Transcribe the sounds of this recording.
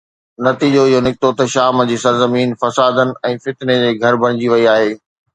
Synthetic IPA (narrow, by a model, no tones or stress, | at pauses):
nɐt̪iːd͡ʑoɪɦonɪkɪt̪ot̪ɐʃaːmd͡ʑiːsɐɾzɐmiːnfɐsaːd̪ənɪ̆ɛ̃ːfɪt̪ned͡ʑeːɡʱɐɾbɐɽ̃ɪ̃d͡ʑiʋɐiaːɦeː